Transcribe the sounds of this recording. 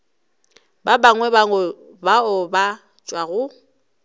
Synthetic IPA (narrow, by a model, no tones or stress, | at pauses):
babaŋwɛba | baʊba | t͡ʃʼwaɣʊ